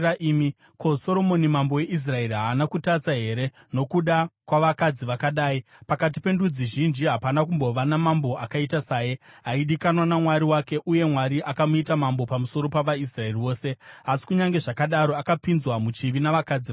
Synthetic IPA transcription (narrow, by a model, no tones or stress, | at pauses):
aʔimi | ko̞so̞ɾo̞mo̞nimambo̞je̞ʔis̬rae̞riɦaːnakutat͡saɦe̞ɾe | no̞kuɗakwaʋakad͡ziʋakaɗaːipakat̬ipe̞ndud͡ziʒind͡ʒiɦapanakumbo̞ʋanamambo̞ʔakaitasaːjiaiɗikanwanamwaɾiwake̞ʔuje̞mwaɾiʔakamuitamambo̞pamuso̞ɾo̞paʋaisrae̞riwo̞ːse̞asi̥kuɲaŋɡe̞ʐakaɗaɾo̞akapinzwamut͡ʃiʋinaʋakad͡zi